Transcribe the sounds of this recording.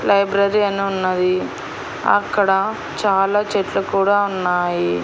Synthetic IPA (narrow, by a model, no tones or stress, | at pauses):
lɐjbɾɐɾiɐniunːɐd̪i | ɐ̰kːɐɽɐ | t͡ʃaːlaːt͡ʃeʈlɐkuːɽaːunːaːji